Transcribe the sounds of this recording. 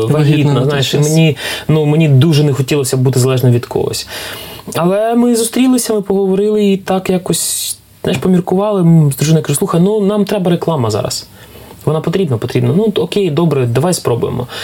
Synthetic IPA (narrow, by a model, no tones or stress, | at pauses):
ʋɐɦʲid̪nɐznɑjɪʃɪmenʲinumenʲid̪uʒɛnexɔtʲilˠɔsʲɐbut̪ɪzɐlˠɛʒnɔʋʲid̪kʰɔ̰ɦɔ̰sʲ | ɐlˠɛmɪzʊst̪ɾʲilˠɪsʲɐmɪpɔɦɔʋɔɾɪlˠɪit̪ɑkjakɔsʲ | zajɪʃpɔmʲirkʊʋɑlˠɪmzd̪ɾuʒɪnɪkaʒʊsˠuxɐjnunɑmt̪ɾɛbɐɾeklˠɑmɐzɑ̰ɾɐ̰s | ʋɔnɑpɔt̪ɾʲibnɐpɔt̪ɾʲibnɐnuɔkʲejd̪ɔbɾɛd̪ɐʋajspɾɔbʊ̰jḛmɔ̰